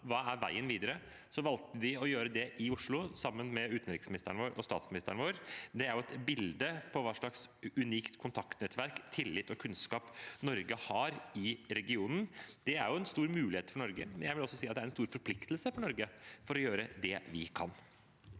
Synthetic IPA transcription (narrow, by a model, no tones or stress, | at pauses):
ʋɑːæɾʋæ̰ɪənʋiːd̪əɾə | sɔʋɑlt̪əd̪ɪɔjøːɾəd̪ɛʔɪʊʂɭʊsɑmːənmɛʉːt̪n̩ɾɪksmɪnɪst̪əɳəʋoːɾʔɔ̰st̪ɑːt̪smɪnɪst̪əɳʋoːɾd̪ɛæɾjʊɛt̪bɪld̪əpʰɔʋɑːʂɭɑksʉniːkt̪kʰʊnt̪ʰɑkt̪nɛt̪ːʋæɾkt̪ʰɪlːɪt̪ːɔkʰʉnskɑːpnɔɾɡəhɑːɾɪɾɛɡɪuːnn̩d̪̥ɛæɾjʊɛnst̪uːɾmʉːlɪheːt̪fɔɳɔɾɡə̰mɛnjæɪʋɪlɔsːɔsiːɑt̪d̪æɾɛnst̪uːɾfɔɾpʰlɪkt̪lsəfɔɳɔɾɡəfɔɾɔjøːɾəd̪ɛʋɪkʰɑn